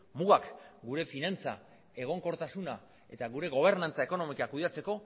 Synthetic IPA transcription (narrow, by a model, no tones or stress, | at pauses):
muɣakɡuɾe̞finant͡sa̰ | e̞ɣ̞o̞ŋko̞ɾt̪asuna | e̞̰t̪aɣuɾe̞ɣo̞β̞e̞ɾnant͡saeko̞no̞mikakuðat͡se̞ko̞